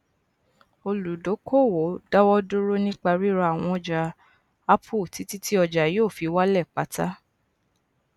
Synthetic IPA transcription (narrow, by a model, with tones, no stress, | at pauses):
o˧lu˨do˨˦kʰo˦˨wo˨˦da˦wɔ˦do˦ɾo˦nĩ˦k͡pa˧ɾi˦ɾa˧a˨w̃ɔ̃˧ɔ˨d͡ʒa˨ | a˦pʰo˦˨ti˨˦ti˦tʰi˦ɔ˧d͡ʒa˨joː˦˨fi˧wa˦lɛ˦˨k͡pa˨˦ta˦